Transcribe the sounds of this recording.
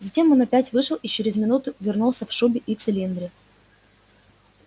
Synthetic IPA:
zɐtʲe̞mo̞nɐpʲætʲvɨʂɨlˠit͡ɕɪɾʲɪzmʲɪnut̪ʊvʲɪrnulˠsʲəfʂubʲɪʔit̪sɨlʲind̪ɾʲɪ

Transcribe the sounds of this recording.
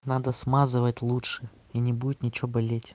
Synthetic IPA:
nad̪əsmazɨvətʲlˠutʂɨ | inʲɪbudʲɪt̪nʲɪt͡ɕɪobɐlʲetʲ

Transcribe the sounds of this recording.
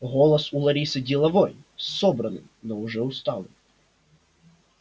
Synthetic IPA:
ɣɔlˠɐsulˠɐɾʲisɨdʲɪlˠɐvojsːɔbɾɐnɨ̰mnɔʊʐɛʊst̪alˠɨ̰m

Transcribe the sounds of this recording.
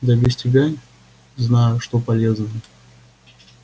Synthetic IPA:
d̪ɐbʲɪsʲtʲɪbʲanʲ | znajʊʂt̪opɐlʲeznəjə

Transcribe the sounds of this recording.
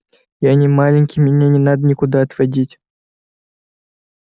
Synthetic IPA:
janʲimalʲɪnʲkʲimʲɪnʲenʲɪnad̪ənʲɪkud̪aɐt̪ʋɐdʲitʲ

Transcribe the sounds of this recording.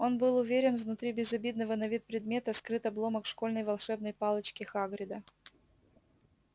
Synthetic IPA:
o̞nbɨlˠʊvʲeɾʲɪnvnʊt̪ɾʲibʲɪzɐbʲid̪nəvənɐvʲit̪̚pɾʲɪd̪mʲe̞t̪əskɾɨt̪ɐblˠo̞məkʂko̞lʲnəjvɐlˠʂɛbnəjpɑlˠət͡ɕkʲɪxaɡɾʲɪd̪ə

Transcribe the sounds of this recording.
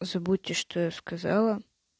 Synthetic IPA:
zɐbutʲːɪʂt̪ojaskɐzɑlˠə

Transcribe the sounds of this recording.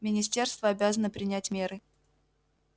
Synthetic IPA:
mʲɪnʲɪsʲtʲe̞rst̪vəɐbʲazənəpɾʲɪnʲætʲmʲe̞ɾɨ

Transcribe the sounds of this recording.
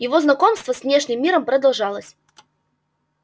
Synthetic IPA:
jɪvo̞znɐko̞mst̪vəsvnʲeʂnʲɪmːʲiɾəmpɾəd̪ɐlˠʐɑlˠəsʲ

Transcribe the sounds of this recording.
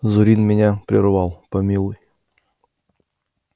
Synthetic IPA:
zʊɾʲinmʲɪnʲapɾʲɪrvɑlˠpɐmʲilˠʊj

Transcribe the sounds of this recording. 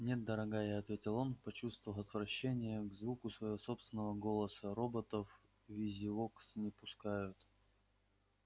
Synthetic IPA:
nʲet̪̚d̪əɾɐɡajaɐt̪vʲetʲɪlˠo̞npɐt͡ɕust̪vəvəlˠɐt̪vɾɐɕːenʲɪjəɡzvukʊsvəjɪvoso̞pst̪vʲɪnːəvəɡo̞lˠəsəɾo̞bət̪əf | vʲizʲɪvoksnʲɪpʊskajʊt̪

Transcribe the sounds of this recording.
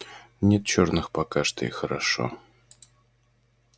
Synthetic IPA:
nʲet̪̚t͡ɕornɨxpɐkaʂt̪əḭxəɾɐʂo̰

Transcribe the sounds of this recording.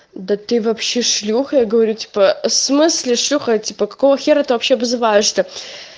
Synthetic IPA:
d̪ɐtɨvɐpɕeʂlʲuxɐjaɡɐvɐɾʲutʰʲi̥pɐsmɨslʲɪʂlʲuxɐtʲiːpɐkɐ̥kovɐxʲeɾɐt̪ɨvɐpɕeɐbzɨvajɛʂt̪ʰɐ

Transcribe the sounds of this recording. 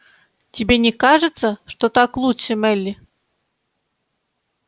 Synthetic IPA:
tʲɪbʲenʲɪkaʐɨt̪səʂt̪ot̪aklˠutʂəmɛlʲːɪ

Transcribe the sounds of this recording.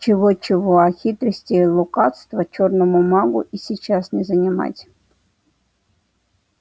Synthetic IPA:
t͡ɕɪʋot͡ɕɪʋoaxʲit̪ɾəsʲtʲilˠukɑt̪st̪vɐt͡ɕornomumɑɡṵʔisʲit͡ɕasnʲɪzɐnʲɪmɑ̰tʲ

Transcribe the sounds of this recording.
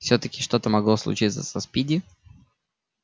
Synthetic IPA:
fsʲɵt̪əkʲɪʂt̪o̞t̪əmɐɡlˠoslˠʊ̰t͡ɕit̪sə̰sɐspʲidʲɪ

